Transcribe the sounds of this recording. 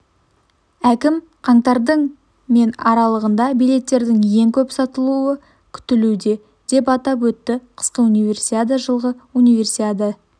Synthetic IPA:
ækʲɪm | qʰɑɴt̪ɑɾd̪əɴ | me̞nɑɾɑlˠəʁənd̪ɑbijle̞t̪ːe̞ɾd̪ɪŋje̞ŋkʲʰɵpsɑt̪əlˠuə | kʲʰʏ̥t̪ɪlud̪e̞ | d̪̥e̞p̬ɑt̪ɑpwɵt̪ːɪqʰə̥sqəunijvʲe̞rsit̪ad̪əʒəlˠʁəunijve̞rsit̪ad̪ə

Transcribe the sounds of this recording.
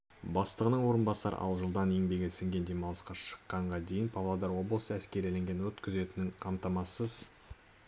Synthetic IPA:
bɑst̪əʁənəɴwo̞ɾənbɑsɑɾə̰ʔɑ̰lˠʒəlˠd̪ɑne̞ŋbe̞ɡʲesɪŋɡʲe̞nd̪e̞mɑlˠəsqɑʃə̥qːɑɴʁɑd̪e̞jɪnpʰɑvlˠad̪ɑɾwo̞blˠəsəæskʲe̞ɾile̞ŋɡʲe̞wɵt̪kʲɪze̞t̪ɪnɪŋqʰɑmt̪ɑmɑsəz̥

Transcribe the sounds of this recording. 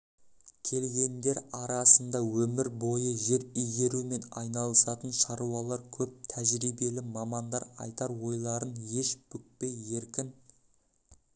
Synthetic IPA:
kʲʰe̞lɡʲe̞nd̪e̞ɾɑɾɑsənd̪ɑwɵmɪɾbo̞jəʒe̞ɾʏjɡʲe̞ɾume̞nɑ̰jnɑlˠəsɑt̪ənʃɑɾuɑlˠɑɾkʲʰɵp̚t̪ʰæʒɾijbe̞lɪmɑmɑnd̪ɑɾɑ̰jt̪ɑɾwo̞jlˠɑɾənje̞ʃb̥ʏk̚pe̞je̞ɾkʲɪn

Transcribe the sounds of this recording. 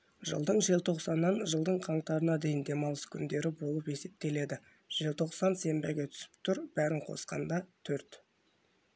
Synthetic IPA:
ʒə̰lˠd̪əɴʒielˠt̪ʰo̞qsɑnːɑnʒəlˠd̪əɴqʰɑɴt̪ɑɾənɑd̪e̞jɪnd̪e̞mɑlˠəskʲʰʏnd̪e̞ɾɪbo̞lˠəpe̞se̞p̚t̪e̞le̞d̪ɪ | ʒ̥ielt̪ʰo̞qsɑnse̞mbeɡʲe̞t̪ʰʏ̥sɪ̥p̚t̪ʰʊɾb̥æɾɪɴqʰo̞̰sqɑ̰nd̪ɑt̪ʰɵɾt̪

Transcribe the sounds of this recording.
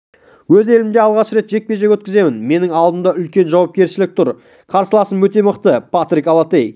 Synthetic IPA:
wɵze̞lɪmd̪e̞ɑlˠʁɑʃɾe̞t̪ʒe̞k̚pe̞ʒekʲwɵt̪kʲɪze̞mɪnme̞nɪŋɑlˠd̪ənd̪ɑʏlkʲe̞nʒɑwɑp̚kʲe̞ɾʃɪlɪk̚t̪ʰʊɾ | qʰɑɾsəlˠɑsəmwɵt̪e̞məqt̪əpʰat̪rikalˠat̪ej

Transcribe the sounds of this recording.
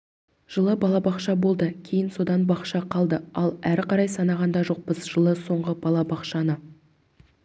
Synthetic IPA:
ʒ̥əlˠəbɑlˠɑbɑqʃɑbo̞lˠd̪əkʲʰe̞jɪnso̞d̪ɑnbɑqʃɑqʰɑlˠd̪əɑlˠæɾqʰɑɾɑjsɑnɑʁɑnd̪ɑʒo̞q̚bəzʒəlˠəso̞ɴʁəb̥ɑlˠɑbɑqʃɑnə

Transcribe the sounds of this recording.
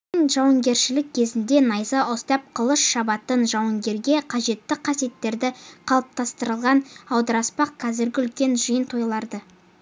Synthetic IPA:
ɪnʒɑwəɴɡʲe̞ɾʃɪlɪk̚ʲkʲʰe̞zɪnd̪e̞nɑjzɑʔost̪ɑp̚qʰəlˠəʃʃɑbɑt̪ənʒɑwəŋɡʲe̞ɾɡʲe̞qʰɑʒe̞t̪ːɪqʰɑsije̞t̪ːe̞ɾd̪ɪqʰɑlˠəp̚t̪ʰɑst̪əɾəlˠʁɑnɑwd̪əɾɑspɑq̚qʰɑzɪɾɡʲɪʏlkʲe̞nʒəjənt̪ʰo̞jlˠɑɾd̪ə

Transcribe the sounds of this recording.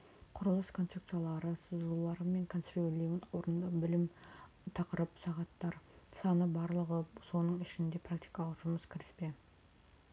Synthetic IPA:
qʰʊɾəlˠəskʰo̞nt̪sept̪sɨjalˠɑɾəsəzəlˠulˠɑɾəme̞ŋkʰonsrvolʲiunwo̞ɾənd̪ɑbɪlɪm | t̪ʰɑqəɾəpsɑʁɑt̪ːɑɾsɑnəbɑɾlˠəʁəso̞nəɴɪʃɪnd̪e̞pʰrak̚t̪i̥jkɑlˠəqʒʊməskʲʰɪɾɪ̥spe̞

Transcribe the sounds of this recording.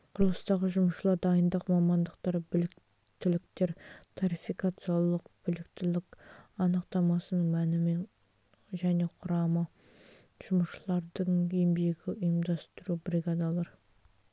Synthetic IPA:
qʰʊɾlˠəst̪ɑʁəʒʊməʃəlˠɑɾd̪ɑjənd̪ɑqmɑmɑnd̪əqt̪ɑɾbɪlɪ | t̪ɪlɪk̚t̪e̞ɾt̪ʰoɾifikat̪sɨjalˠəqb̥ɪlɪkt̪ɪlɪkɑnəqt̪ɑmɑsənəɴmænɪme̞n | ʒæne̞qʰʊɾɑmə | ʒ̥ʊməʃəlˠɑɾd̪əɴembe̞ɡʲɪʊjəmd̪ɑst̪əɾubɾiɡad̪ɑlˠɑɾ

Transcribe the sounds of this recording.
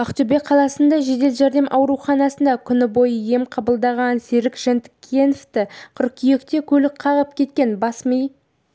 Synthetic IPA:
ɑqt̪ybe̞qʰɑlˠɑsənd̪ɑʒe̞d̪e̞lʒæɾd̪e̞mʔɑwɾuχɑnɑsənd̪ɑkʲʰʏnɪbo̞jəje̞mqʰɑbəlˠd̪ɑʁɑnseɾɪkʒ̥ent̪ɪ̥kʲʰːenft̪ɪqʰʊɾkʲʰije̞kt̪e̞kʲʰɵlɪk̚qʰɑʁəp̚kʲʰe̞t̪̚kʲe̞nbɑsmij

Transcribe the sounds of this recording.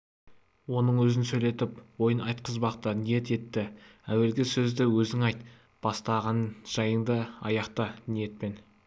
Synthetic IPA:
wo̞nəɴwɵzɪnsɵjle̞t̪ɪpwo̞jənɑjt̪̚qʰəzbɑqt̪ənije̞t̪e̞t̪ːɪæwe̞lɡʲɪsɵzd̪ɪwɵzɪŋɑjt̪ | b̥ɑst̪ɑʁɑnʒ̥ɑjəɴd̪əɑ̰jɑqt̪ənije̞t̪̚pe̞n

